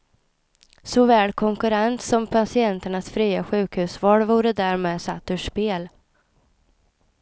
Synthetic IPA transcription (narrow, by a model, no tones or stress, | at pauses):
sɔvɛːlkʰɔŋkɵɾɛnt̪sɔmpʰasɪɛnt̪əɳasfɾiːaɧʉ̟ːkhʉ̟ːsvɔlvuːɾəd̪æːɾmeːd̪sat̪ːʉʂpeːl